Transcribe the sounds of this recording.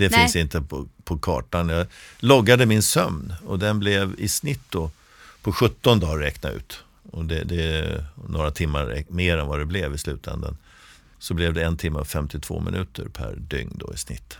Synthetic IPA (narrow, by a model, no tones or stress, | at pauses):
d̪ɛfɪnsɪnt̪əpʰɔpʰɔkʰɑ̰ːʈanjɑlɔɡːad̪əmɪnsœmnɔd̪ɛnblɛvɪsnɪt̪̚ːd̪oː | pʰɔɧɵt̪ːɔnd̪ɑːɾɛknaʉ̟̰ːt̪ | ɔd̪ɛd̪ɛnoːɾat̪ʰɪmːaɾɛ̰meːɾɛnvad̪ɛblɛvɪslʉ̟ːt̪ʰɛ̰nd̪ə̰n | sɔblɛvd̪ɛɛnt̪ʰɪmːəavfɛmt̪ɪt̪ʰv̥o̰ːmɪ̰nʉ̟ːt̪ʰəɾpʰæ̰ɾɖ̪ʏŋnd̪ɔɪsnɪ̰t̪ː